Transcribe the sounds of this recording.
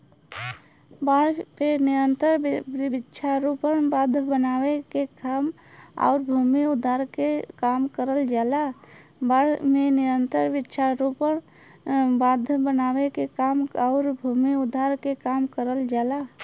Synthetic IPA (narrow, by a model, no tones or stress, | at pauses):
baɽpenijənt̪əɾbitːʃʰaɾupənbad̪ʱːəbənawekekam | a̰ʊɾbʱumiud̪ʱːaɾkekamkəɾəld͡ʒalabaɽmenijənt̪əɾbitːʃʰaɾupən | bad̪ʱəbənawekekamaʊɾbʱumiud̪ʱːaɾkekamkəɾəld͡ʒala